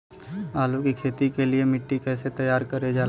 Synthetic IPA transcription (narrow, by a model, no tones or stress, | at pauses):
aːlukikʰeːt̪ikeliemɪʈːikɛːset̪əjaːɾkəɾed͡ʒaː